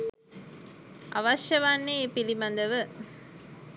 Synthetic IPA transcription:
ɐ̰ʋɐʃjɐʋanːepilimɐnd̪ɐʋɯ

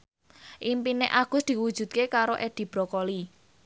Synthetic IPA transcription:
ʔimpineʔaɡ̥ʊ̤sd̪̥i̤wud̥ʒ̥ṳt̪̚kekaɾoʔed̪̥i̤b̥ɾɔkɔli

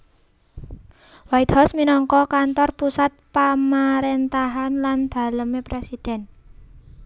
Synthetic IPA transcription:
wait̪hɔsminɔŋkɔkant̪ɔrpusat̪̚pamaɾent̪aɦanland̪̥a̤ləmepɾesid̪̥ɛ̤n

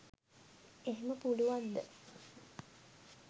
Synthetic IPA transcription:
eɦeməpuluʋand̪ə

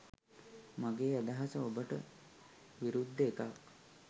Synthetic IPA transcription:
maɡeːad̪aɦasəobəʈə̰ | ʋiɾud̪ʱːəekak

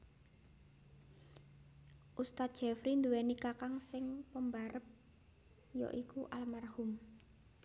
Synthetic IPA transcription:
ʔust̪at̪̚ʒ̥ɛfɾind̪uwɛnikakaŋsɪŋpəmbaɾəp̚ | jɔ̰ʔikuʔalmarhum

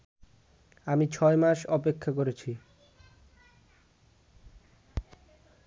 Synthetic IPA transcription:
amit͡ɕʰɔemaʃɔpekʰːakoɾet͡ɕʰi

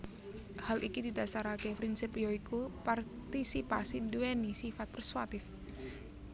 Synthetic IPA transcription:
halʔikid̪id̪asaɾakepɾinsɪpjoikupart̪isipasiduenisifat̪̚pɾɛswat̪ɪf

